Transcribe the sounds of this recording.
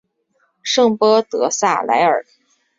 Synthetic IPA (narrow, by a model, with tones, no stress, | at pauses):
ʂɤ˥˩ŋpɤ˥t̪ɤ˧˥sa̰˥˩la̰˧˥ɪə̰˞˨˩